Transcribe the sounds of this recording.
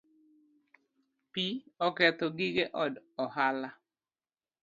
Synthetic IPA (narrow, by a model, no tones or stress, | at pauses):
piɔkɛt̪ɔɡiɡeʔɔdɔhala